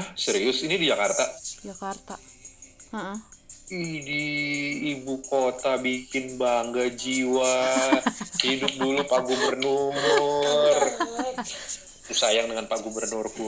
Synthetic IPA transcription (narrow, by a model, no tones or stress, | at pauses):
səɾiʊsinidid͡ʒakart̪akart̪a | idiː | bukot̪abikɪnbaŋɡad͡ʒiwa | hidʊp̚dulupaʔɡubərnʊm | r | t̪usajaŋdəŋanpaʔɡubərnʊrku